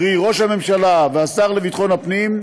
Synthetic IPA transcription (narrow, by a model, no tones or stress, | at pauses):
ʁiʁo̞ʃhame̞mʃalaveasaʁlevit̪χo̞nhapnim